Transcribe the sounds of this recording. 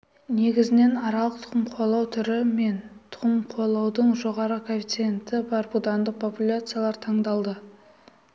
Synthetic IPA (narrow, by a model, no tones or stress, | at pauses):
ne̞ɡʲɪzɪne̞nɑɾɑlˠəqt̪ʰʊ̥qəmqʰolˠɑwt̪ʰʏɾɪme̞nt̪ʰʊ̥ʁəmqʰolˠɑwd̪əɴʒo̞ʁɑɾəkʰopʲit̪sent̪ɪbɑɾbud̪ɑnd̪əq̚pʰo̞pulʲat̪sɨjalˠɑɾt̪ʰɑɴd̪ɑlˠd̪ə